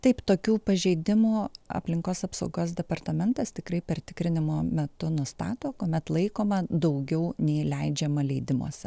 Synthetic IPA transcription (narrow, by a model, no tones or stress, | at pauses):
t̪ɐɪpt̪oːkʲuːpɐʒʲɛɪd̪ʲɪmuːɐ̰pʲlʲɪŋkoːsɐpsɐʊɡoːs̬d̪ʲɛpɐrt̪ɐmʲɛnt̪ɐst̪ʲɪkɾɐɪpʲɛrt̪ʲɪkɾʲɪnʲɪmoːmʲɛt̪ʊnʊst̪ɑːt̪oːkoːmʲɛt̪lˠɐɪkoːmɐd̪ɐʊɡʲɛʊnʲɛɪlʲɛɪd͡ʒʲɛmɐlʲɛɪd̪ʲɪmo̰ːsʲɛ